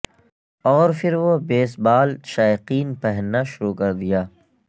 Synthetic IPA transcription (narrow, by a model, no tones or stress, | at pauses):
ɔːɾfʰɪɾʋobeːsbaːlʃaːɪqiːnpɛɦnːaʃʊɾuːkɐɾd̪ijaː